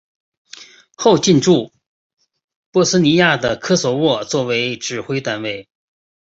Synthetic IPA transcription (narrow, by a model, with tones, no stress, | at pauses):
xo˥˧ʊt͡ɕi˥˧nʈ͡ʂu˥˩ | pwɔ˥sɹ̩˥ni˧˥ja˥˩d̪ə˩kʰɤ˥swɔ˨˩wɔ˥˩t͡swɔ˥˩we˧˥ɪʈ͡ʂɻ̩˨˩xwe˥ɪt̪a˥˩nwe˥˩ɪ